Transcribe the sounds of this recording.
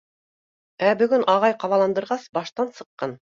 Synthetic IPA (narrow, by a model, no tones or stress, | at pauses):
æbɵ̆ɡɵnɑʁɑjqɑwɑlˠɑnd̪ɤ̆ɾʁɑsbɑʃt̪ɑnsɤ̆qːɑn